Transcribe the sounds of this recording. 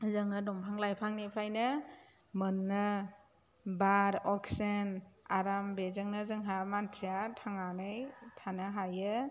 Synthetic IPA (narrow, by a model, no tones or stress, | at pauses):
zɯŋɯdɔmpʰaŋlajpʰaŋnipʰɾajnɯ | mɯnːɯ | baɾɔksenaɾambezɯŋnɯzɯŋɦamantʰijatʰaŋanɯjtʰanaɦajɯ